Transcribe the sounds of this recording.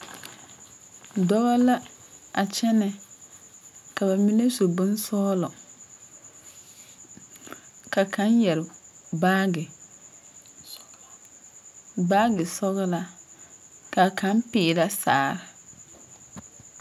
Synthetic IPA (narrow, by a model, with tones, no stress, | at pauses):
dɔ˦ɣa˦la˦a˨t͡ʃɛ˦nɛ˨ | ka˨ba˨mi˦ne˦so˨bʊ˦n˦sɔː˦lɔ˨ | ka˨kʰa˨˦njɛ˨ɾɪ˨ba˦ɡɪ˨ | baː˦ɡɪ˨sɔ˦ɣɪ˦la˦ | ka˨kʰa˨˦mpɪː˨ɾa˦sa̰ː˨ɾɪ˨